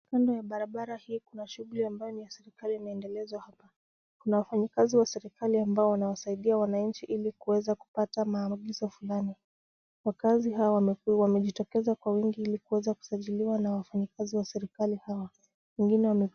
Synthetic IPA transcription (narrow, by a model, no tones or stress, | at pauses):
kandɔjaɓaɾaɓaɾahiːkunaʃuɣuliambajɔnijasɛɾikaliːmaɛndɛlɛzwahapa | kunawafaɲikaziwasɛɾikaliambaɔwanawasaiɗiawanaɲ̩t͡ʃiʔilikuwɛzaku̥patamaːmuɠizɔfulani | wakaziɦawawamɛʄitɔkɛzakwawiŋɡiilikuwɛzaku̥saʄiliwanawafaɲikaziwasɛɾikalihawa | wɛŋɡinɛwamɛ